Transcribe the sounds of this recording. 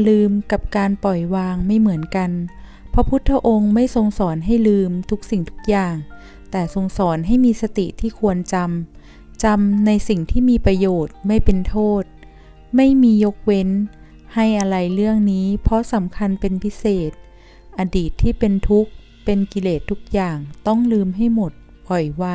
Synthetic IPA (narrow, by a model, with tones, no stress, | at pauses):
lɯː˧mka˨˩p̚kaː˧npɔ˨˩jwaː˧ŋma˥˩jmɯ˩˦ənka˧n | pʰɔ˦˥pʰu˦˥t̪ʰːa˦˥ʔo˧ŋma˥˩jso˧ŋsɔː˩˦nɦa˥˩jlɯː˧mt̪ʰu˦˥k̚si˨˩ŋt̪ʰu̥˦˥k̚jaː˨˩ŋ | t̪ɛː˨˩so˧ŋsɔː˩˦nɦa˥˩jmiː˧sa˧t̪ḭ˨˩t̪ʰiː˥˩kʰu˧ənt͡ɕa˧m | t͡ɕa˧mna˧jsi˨˩ŋt̪ʰiː˥˩miː˧pɾa˧joː˨˩t̪̚ma˥˩jpe˧nt̪ʰoː˥˩t̪̚ | ma˥˩jmiː˧jo˦˥k̚we˦˥n | ha˥˩jʔa˧ɾa˧jlɯ˥˩əŋniː˦˥pʰɔ˦˥sa˩˦mkʰa˧npe˧npʰi˦˥seː˨˩t̪̚ | ʔa˧diː˨˩t̪ʰːiː˥˩pe˧nt̪ʰu˦˥k̚ | pe˧nki˧leː˨˩t̪ʰːu˦˥k̚jaː˨˩ŋt̪ɔ˥˩ŋlɯː˧mɦa˥˩jmo˨˩t̪̚ | bɔ˨˩jwaː˧